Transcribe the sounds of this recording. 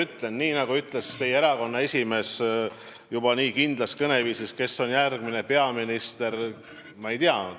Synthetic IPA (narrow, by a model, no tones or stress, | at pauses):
yt̪ˑle̞nːiːnɑɡuyt̪ˑle̞st̪e̞jeeɾɑko̞nːɑe̞sʲime̞s | jub̥ɑniːkind̪lɑskɤne̞viːsiske̞sːo̞njærɡ̥mine̞pe̞ɑminist̪e̞ɾ | mɑe̞jt̪iɑ